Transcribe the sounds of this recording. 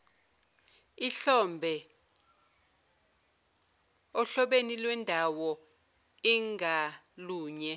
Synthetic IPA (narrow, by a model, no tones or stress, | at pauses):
iɬɔmbʱɛ | ɔɬɔɓenilwɛndʱawɔ | iŋʱa | luːɲɛ